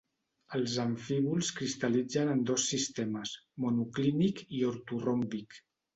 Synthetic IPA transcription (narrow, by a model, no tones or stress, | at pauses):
əlˠzəɱfiβulˠskɾist̪əlid͡zənənd̪ɔsːist̪ɛməsmunuklinikioɾt̪urombik